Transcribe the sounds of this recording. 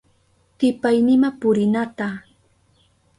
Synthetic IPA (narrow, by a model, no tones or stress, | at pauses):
t̪ɪpajnɪmapʊɾɪnat̪a